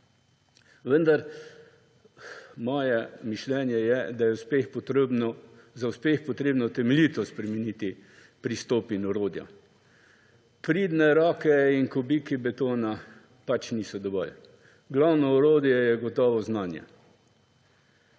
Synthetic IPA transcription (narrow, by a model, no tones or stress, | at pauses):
ʋənd̪aɾ | mɔːjɛmiʃlɛːnjɛjɛd̪ajɛʊspexp̪bn | zaʊspeːxpɔt̪ɾeːbnɔt̪ɛmɛliːt̪ɔspɾɛmɛniːt̪i | pɾist̪oːpinɔɾoːd̪ja̰ | pɾiːd̪nɛɾɔːkɛinkɔbikibɛt̪oːna | pat͡ʃniːsɔd̪ɔʋɔ̰l | ɡlawnɔɔɾoːd̪jɛjɛɡɔt̪ɔːʋɔznaːnjɛ̰